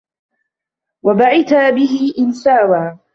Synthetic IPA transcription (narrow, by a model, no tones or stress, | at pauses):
wabaʕɪt̪aːbɪɦɪʔɪnsaːwaː